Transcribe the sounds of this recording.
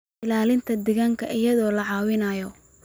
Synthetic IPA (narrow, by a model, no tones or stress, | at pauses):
ɪlaːlɪnt̪ʰɐd̪ɛɣaːŋkʰɐʔɪjɐðɔːlɐʕɑːwɪnɐjɔ